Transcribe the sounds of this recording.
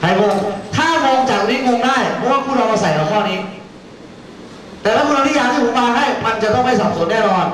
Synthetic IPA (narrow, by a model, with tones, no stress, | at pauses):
kʰa˨˧˩jko˧ŋt̪ʰaː˥˩mɔː˧ŋt͡ɕaː˨˩k̚niː˦˥mo˧ŋdaː˥˩jpʰɔ˦˥waː˥˩kʰuː˥˩ɾɔː˧ʔa˧˩sa˨˩˦jkɔː˨˩˦k̪ʰɔː˥˩niː˦˥ | t̪ɛː˨˩laː˦˥˩uː˥˨a˧nʰi˥jaː˧t̪ʰiː˥˩puː˨˩˦maː˧daː˥˩jma˧nt͡ɕa˨˩t̪ɔ˥˩ŋma˥˩jsɔː˨˩p̚su˨˩˦nɛː˥˩nɔː˧n